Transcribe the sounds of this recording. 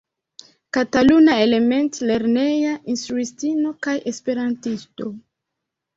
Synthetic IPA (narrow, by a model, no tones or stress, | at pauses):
katalunae̞le̞me̞ntle̞ɾne̞jaʔinstɾuistino̞kajʔe̞spe̞ɾantisto̞